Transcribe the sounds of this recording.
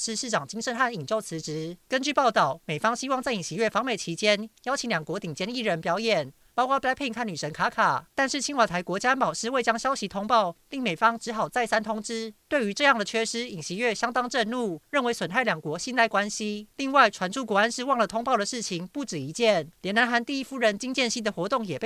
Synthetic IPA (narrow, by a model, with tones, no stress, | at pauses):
ʂɻ̩˥˧ʂɻ̩˥˩ʈ͡ʂɑ˨˩ŋt͡ɕi˥ŋʂə˥˧nxa˥˩ni˨˩ŋt͡ɕjo˥˩ʊt͡sʰɹ̩˧˦˥ʈ͡ʂɻ̩˧˥kə˥nt͡ɕy˥˩pɑ˥˧ʊt̪ɑ˥˩ʊme˨˩ɪfɑ˥ŋɕi˥wɑ˥˧ŋt͡sa˥˩ɪi˨˩ŋɕi˧˥ɥɛ˥˩fɑ˧˥ŋme˨˩ɪt͡ɕʰi˧˥t͡ɕjɛ˥njɑ˥ʊt͡ɕʰi˧˥ŋljɑ˨˩ŋkwɔ˧˥t̪i˨˩ŋt͡ɕjɛ˥ni˥˩ɻə˧˦npjɑ˧˥ʊjɛ˨˩n | pɑ˥ʊkwɑ˥˧pja˥pʰi˥˧ŋkʰa˥˩ny˨˩ʂə˧˥nkʰa˧˥kʰa˨˩t̪a˥˧nʂɻ̩˥˩t͡ɕʰi˥nwa˨˩t̪ʰa˧˥ɪkwɔ˧˥t͡ɕja˥npɑ˨˩ʊʂɻ̩˥˧we˥˩ɪt͡ɕjɑ˥ŋɕjɑ˥ʊɕi˧˥t̪ʰʊ˥ŋpɑ˥˨ʊli˥˩ŋme˨˩ɪfɑ˥ŋʈ͡ʂɻ̩˧˥xɑ˨˩ʊt͡sa˥˩ɪsa˥nt̪ʰʊ˥ŋʈ͡ʂɻ̩˥t̪we˥˩y˧˥ʈ͡ʂɤ˥˧jɑ˥˩ŋd̪ə˩t͡ɕʰɥɛ˥˧ʂɻ̩˥i˨˩ŋɕi˧˥ɥɛ˥˩ɕjɑ˥ŋt̪ɑ˥ŋʈ͡ʂə˥˧nlu˥˨˩ɻə˥˩nwe˧˥ɪswə˨˩nʰa˥˩ɪljɑ˨˩ŋkwɔ˧˥ɕi˥nt̪a˥ɪkwa˥nɕi˥li˥˧ŋwa˥˩ɪʈ͡ʂʰwa˧˥nʈ͡ʂʰu˥kwɔ˧˥a˥nʂɻ̩˥˧wɑ˥˩ŋlə˨t̪ʰʊ˥ŋpɑ˥˩ʊd̪ə˩ʂɻ̩˥˩t͡ɕʰi˧˦ŋpu˥˩ʈ͡ʂɻ̩˨˩i˧˥t͡ɕjɛ˥˩nljɛ˧˥na˧˥nxa˧˥˦nt̪i˥˧i˦˥fu˥˩ɻə˧˦nt͡ɕi˥ŋt͡ɕjɛ˥˧nɕi˥d̪ə˨xwɔ˧˥t̪ʊ˥˩ŋjɛ˨˩p